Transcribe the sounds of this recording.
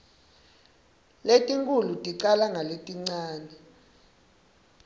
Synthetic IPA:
letʼiŋkʼulutʼiǀalaŋʱaletʼiŋ͡ǀaːnɛ

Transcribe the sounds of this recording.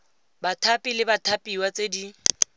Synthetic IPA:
batʰapʼilɪbatʰapʼiwat͡sʼedi

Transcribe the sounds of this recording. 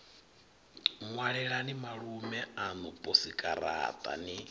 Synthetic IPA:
ŋwaɺɛɺanimaɺumɛanupʼosikʼaɾa̰t̪ʼa̰ni

